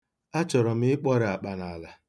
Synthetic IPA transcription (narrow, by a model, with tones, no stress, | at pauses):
a˦t͡ʃɔ˨ɾɔ˨m̩˦ɪ˦k͡pɔ˦ɾɪ˨a˨k͡pa˨na˨la˨